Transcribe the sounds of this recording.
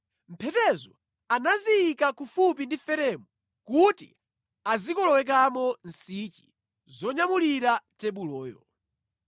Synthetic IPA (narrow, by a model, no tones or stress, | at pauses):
m̩pʰɛtɛzɔ | anazijːkakufupindifɛɾɛmu | kutḭ | azikɔlɔwɛk̬amɔn̩sit͡ʃi̥ | zɔɲamuliɾatɛɓulɔːjɔ̰